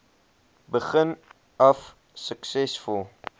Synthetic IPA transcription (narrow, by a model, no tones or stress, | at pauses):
bəχən | ɔf | səksɛsfulˠ